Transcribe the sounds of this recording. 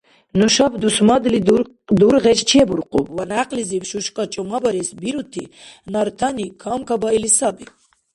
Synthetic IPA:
nuʃɔbd̪usmad̪li | d̪uɾʁɛt͡ʃt͡ʃʰiɛbuɾqʼubvanaqʼlizivʃuʃkʼɔt͡ʃʼɔmabɔɾisbiɾut̪ʰi | naɾt̪ʰanikʰɔmkʰabailisabi

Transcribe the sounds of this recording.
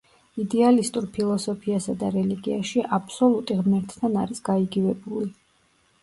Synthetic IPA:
id̪ɛalist̪ʼuɾpʰilˠɔsɔpʰiasad̪aɾɛliɡiaʃiʔapʰsɔlˠut̪ʼiʁmɛɾt̪ʰt̪ʰːanaɾisɡ̥aiɡivɛbuli

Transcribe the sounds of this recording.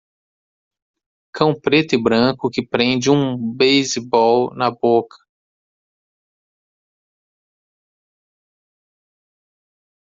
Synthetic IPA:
kʰɐ̃w̃pɾet̪ʊɪbɾɐ̃kʊkɪpɾẽd͡ʒɪũbejzɪbɔwnɐbokʰɐ̥

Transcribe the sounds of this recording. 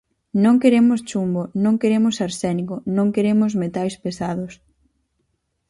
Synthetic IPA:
nõŋkeɾemʊst͡ʃumbonõŋkeɾemʊsaɾsɛnikʊnõŋkeɾemʊzmet̪ajspesaðʊs

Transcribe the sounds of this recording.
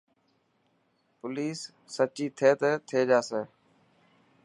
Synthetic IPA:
pʊliːsː | ət͡ʃiːt̪ʰeːt̪ət̪ʰeːd͡ʒaːsẽː

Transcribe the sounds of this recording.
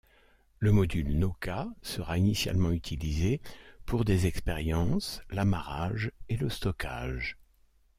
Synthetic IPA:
ləmɔd̪ylnɔkasəʁainisja̰lmɑ̃yt̪ʰilizepuʁd̪ezɛkspeʁjɑ̃slamaʁaʒeləst̪ɔkʰa̰ːʒ

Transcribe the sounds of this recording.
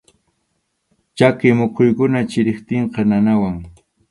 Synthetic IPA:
t͡ʃakɪmʊqʰʊjkʊnat͡ʃɪɾɪχt̪ɪɴqɑnanawaŋ

